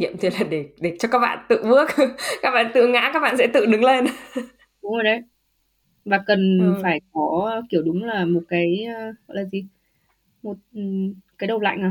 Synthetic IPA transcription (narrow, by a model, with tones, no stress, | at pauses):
ŋḭ˧˨əmt̪ʰi˨˩laː˨˩ɗe˧˩ɗe˧˩t͡ɕɔ˧kaː˦˥k̚ɓa̰ː˧˨nt̪ɨ̰˧˨mɨ˦˥ək̚kaː˦˥k̚ɓa̰ː˧˨nt̪ɨ̰˧˨ŋa̰ː˧˥kaː˦˥k̚ɓa̰ː˧˨nsɛ̰˧˥t̪ɨ̰˧˨ɗɨ˨˦ŋle˧n | ɗʊ˨˦ŋ͡mə˨˩ɗə˨˦j | vaː˨˩kə˨˩nfaː˧˩jkɔ˨˦ki˧˩əwɗʊ˨˦ŋ͡mlaː˨˩mo˨˩t̚kaː˨˦jːɣɔ̰˧˨jlaː˨˩zi˨˩ | mo˨˩t̚ːkaː˨˦jɗə˨˩wla̰ː˧˨ŋ̟aː˨˩